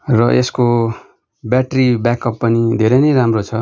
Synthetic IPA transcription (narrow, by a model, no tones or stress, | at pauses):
rʌʔesko | baʈribjakʌpːʌnid̪ʱeɾʌjnʌjɾamrot͡sʰʌ